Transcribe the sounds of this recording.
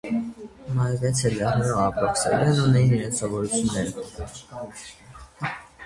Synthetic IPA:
mɑɾvɛt͡sʰɛlɾɛʁnɛɾɔɑpɾɔksɛ̰lɛnunɛjiniɾɛnsɔvɔɾut͡sʰjunːɛɾə

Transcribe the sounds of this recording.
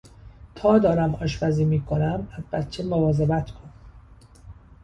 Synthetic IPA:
t̪ʰɒːd̪ɒːɾæmɒːʃbæziːmiːkʰonæmæzbæt̪t͡ʃʰemovɒːzebæt̪kʰon

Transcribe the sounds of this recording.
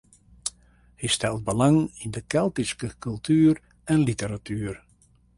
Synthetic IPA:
histɛlˠt̚bəlaŋindəkɛlˠtiskəkɵlˠtʰyːr | ɛnlitəɾatʰyːr

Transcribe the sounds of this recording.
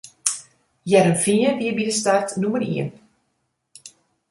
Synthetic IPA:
jɛɾəmfiənʋiəbidəstartnuməɾḭən

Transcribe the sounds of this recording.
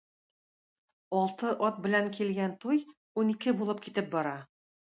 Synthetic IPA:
ɒlˠt̪ɤʔɒt̪̚bɘ̆læŋkilɡænt̪uj | unikɘbulˠɤp̚kit̪ɘp̚bɒɾɑ

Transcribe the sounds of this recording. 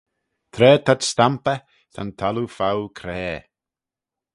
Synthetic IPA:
t̪ʰɾɛːt̪ʰatst̪ampə | t̪ʰa̰nt̪ʰalufawkʰɾɛː

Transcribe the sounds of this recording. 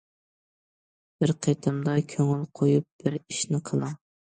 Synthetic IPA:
b̥ɪɾqʰet̪ʰɨmd̪ɑkʲʰøŋɪlqʰojup̚b̥ɪɾiʃnɪqʰəlˠɑ

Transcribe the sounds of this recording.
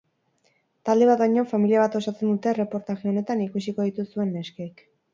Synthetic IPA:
t̪ald̪e̞β̞at̪baɲo̞familiaβ̞at̪o̞sat͡se̞nd̪ut̪e̞re̞po̞ɾt̪aɣeo̞ne̞t̪anikusiko̞ð̞it̪usue̞nːe̞skeik

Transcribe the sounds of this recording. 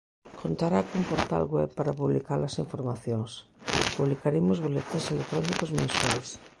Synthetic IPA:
kʰont̪aɾakompoɾt̪a̰lɣwɛβpaɾapuβlikaɾlɐsiɱfoɾmaθjoŋspuβlikaɾemʊzβolet̪iselek̚t̪ɾɔnikozmẽnswajs

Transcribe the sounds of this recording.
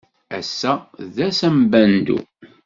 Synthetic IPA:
æsːæðæsæmbænd̪ṵ

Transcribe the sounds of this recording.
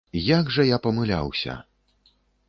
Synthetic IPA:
jaɡʐɐjapɐmɨlʲa̰wsʲɐ̰

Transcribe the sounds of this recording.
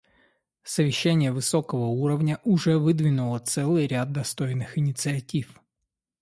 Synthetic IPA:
səvʲɪɕːænʲɪjəvɨso̞kəvəuɾəvnʲəʔʊʐɛvɨd̪vʲɪnʊlˠət̪sɛlˠɨjɾʲad̪̚ːɐst̪ojnːɨxɪnʲɪt̪sɨɐtʲif

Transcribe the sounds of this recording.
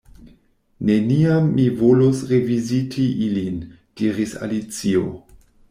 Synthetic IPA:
ne̞niamːivolosɾe̞vizitʰiʔilin | d̥iɾisa̰lit͡sio̞̰

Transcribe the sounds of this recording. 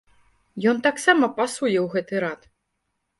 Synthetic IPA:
jɔnt̪aksamɐpasujɛwɣɛt̪ɨɾat̪

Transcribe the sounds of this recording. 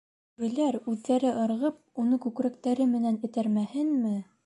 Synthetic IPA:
bɘ̆læɾʉðːæɾɘʔɤ̆ɾʁɤp̚unɤkʉkɾækt̪æɾɘmɘ̆nænɘ̆t̪æɾmæhɘnmɘ

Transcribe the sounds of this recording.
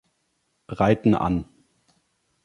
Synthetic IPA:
ʁaɪtn̩ʔa̰n

